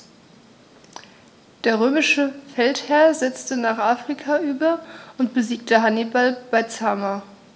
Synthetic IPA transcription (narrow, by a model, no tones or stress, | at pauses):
d̥eːɐʁøːmɪʃəfɛlthɛɐzɛt͡stənaːχʔaːfʁ̥ikʰaʔyːbɐʔʊntb̥əziːk̚təɦanibalb̥aɪt͡saːma